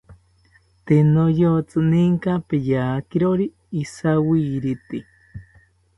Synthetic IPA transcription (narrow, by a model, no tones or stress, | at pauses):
t̪enojot͡sɨniŋkapejaːkiɾoɾiː | sawiːɾit̪i